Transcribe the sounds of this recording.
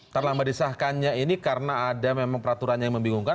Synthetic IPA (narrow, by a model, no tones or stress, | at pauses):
t̪arlaŋmədisahkanɲainikaɾənaːdamemaŋpəɾat̪uɾanjajaŋməmbiŋuŋka